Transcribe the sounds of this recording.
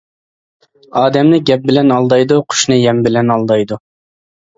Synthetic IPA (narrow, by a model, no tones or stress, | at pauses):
ɑːd̪ɛmnɨɡʲɛp̚bɪlɛnɑlˠd̪ɑjd̪uqʰʊ̥ʃnɨjɛmbɪlɛnɑlˠd̪ɑjd̪u